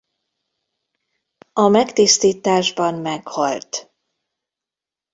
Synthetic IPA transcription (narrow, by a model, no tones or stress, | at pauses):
ɒmɛkt̪ist̪iːt̪aːʒbɒmmɛkhɒlt̪